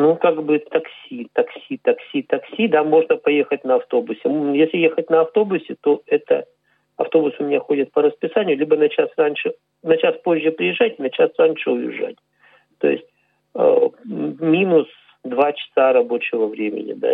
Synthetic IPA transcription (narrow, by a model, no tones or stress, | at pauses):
nukaɡbɨt̪ɐksʲit̪ɐksʲit̪ɐksʲit̪ɐksʲid̪amo̞ʐnəpɐje̞xət̚ʲnəɐft̪o̞bʊsʲɪjesʲlʲɪjexət̚ʲnɐɐft̪o̞bʊsʲɪt̪o̞ɛt̪ə̰ | ɐ̰ft̪o̞bʊsʊmʲɪnʲaxo̞dʲɪt̪̚pəɾəspʲɪsanʲɪjʊlʲibənɐt͡ɕasranʲʂɨ | nɐt͡ɕaspo̞ʑʲːɪpɾʲɪɪʐːatʲɪnɐt͡ɕasranʲʂɨʊjɪ̰ʐa̰tʲ | t̪o̞̰jɪ̰sʲtʲ | mʲinʊs | d̪vat͡ɕɪ̥saɾɐbo̞t͡ɕɪvəvɾʲemʲɪ̰nʲɪ̰d̪a̰